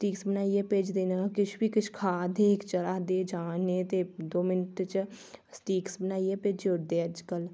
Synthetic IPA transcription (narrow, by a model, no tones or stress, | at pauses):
sʈiːksbənaːijepeːd͡ʒd̪eːnakɪt͡ʃʰbʱikɪt͡ʃʰkʰaːd̪ekt͡ʃəɾaːɦd̪eːd͡ʒaːnet̪ed̪oːmɪnʈt͡ʃsʈiːksbənaːiepeːd͡ʒoːɽd̪eəd͡ʒkəl